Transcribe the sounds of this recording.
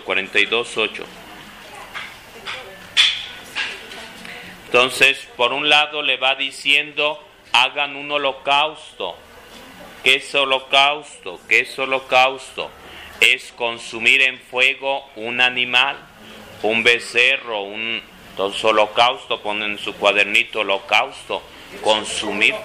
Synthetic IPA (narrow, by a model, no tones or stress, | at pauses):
kwaɾent̪ajðo̞sot͡ʃo̰ | nt̪o̞nsespo̞ɾunlaðo̞le̞βaðisje̞nd̪o̞ | aɣanuno̞lo̞kawst̪o̰ | kesolo̞kawst̪okesolo̞kawst̪o̞̰ | esko̞nsumiɾe̞ɱfwe̞ɣo̞unanĩmal | umbe̞sero̞un | t̪onsolo̞kawst̪o̞ponensukwaðeɾnit̪oolo̞kawst̪o̞ | ko̞nsumiɾ